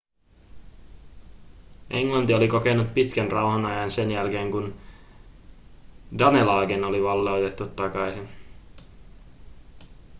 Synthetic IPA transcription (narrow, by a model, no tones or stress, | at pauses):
ʔeŋlɑnt̪io̞liko̞ke̞nːut̪̚pit̪kænrɑwɦɑnɑjɑnse̞njælke̞ːŋkun | dɑne̞lɑːɡeno̞liʋɑlːeot̪e̞t̪ːut̪ːɑkɑjsin